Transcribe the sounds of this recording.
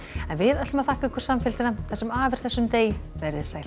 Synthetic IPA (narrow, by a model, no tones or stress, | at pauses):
ɛnvɪðœt̪lmaθaːhkʏŋkʰvʏɾ̥samfɪlt̪ɪnaθɛsʏmaːvɪɾ̥θɛsːʏmt̪eːjvɛɾðɪsaːjl